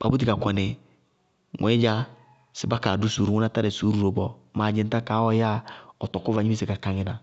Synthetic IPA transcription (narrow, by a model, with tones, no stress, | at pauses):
ba̰˨bu˦t̬i˨ka˨kʷa˨nɪ˨ | ŋʔɛ˨˦ɪ˦d͡ʒa˦ | sɪ˨˦ba˦ka˨du˦su˨ɾu˨ŋu˦na˦ta˦ɾɛ˨su˨˦ɾu˨ɾo˨bɔ˨ma˨d͡ʒɪ˨n˦ta˦kaː˨˦ɔ˦ja˦ɔ˨tɔ˨ku˦va˨ɲi˦i˦se˨ka˨ka˨ŋɪ˦na˨